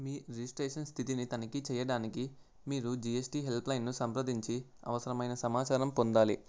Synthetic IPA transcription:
miːɾid͡ʒisʈɾɛːʂɐnst̪ʰit̪init̪ɐnɐkit͡ʃɛːjɐɽaːniki | miːɾud͡ʒiesʈiɦe̞lplɐjnːusɐmpɾɐd̪iɲt͡ʃi | ɐ̰ʋɐsɐɾɐmɐjnɐsɐmaːt͡ʃaːɾɐmpond̪aːli

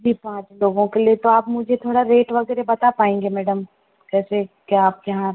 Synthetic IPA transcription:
d͡ʒiːpãːt͡ʃloːɡõkeliet̪oaːpmʊd͡ʒʱet̪ʰoːɽaɾeːʈʋɐɡɛːɾebɐt̪apaːẽːŋɡemɛːɖəm | kɛːsekeaːp̚jɐɦã

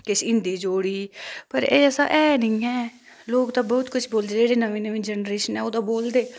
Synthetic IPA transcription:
kɪʃɪ̃nd̪iːd͡ʒoːɽiːpəɾeːəsã̰ːʔɛːnĩːɛː | loːkt̪ãːbɔːt̪kʊt͡ʃʰboːld̪eːd͡ʒeːɽeːnəʋẽːnəʋẽːd͡ʒɛnɾeːʃənɛːoːd̪ãːboːld̪eː

